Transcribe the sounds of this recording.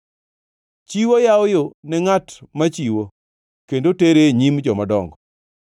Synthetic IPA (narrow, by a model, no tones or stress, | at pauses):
t͡ʃiwojawjonɛŋatmat͡ʃiwo | kendoteɾeɲimd͡ʒɔmadɔŋɡɔ